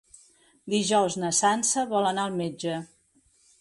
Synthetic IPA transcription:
d̪iʒɔwznəsansəβɔlənaəlˠmed͡ʒə

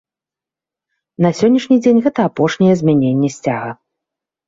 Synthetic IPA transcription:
nɐsʲɔnʲːiʂnʲid͡zʲenʲɣɛt̪ɐapɔʂnʲɛjɛzʲmʲɛnʲenʲːɛsʲt͡sʲaɣɐ

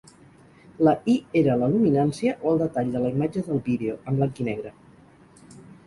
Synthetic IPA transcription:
ləieɾələluminansiəʔoəlˠd̪ət̪aʎd̪ələimad͡ʒəðəlˠβiðeoʔəmblaŋkinɛɣ̞ɾə

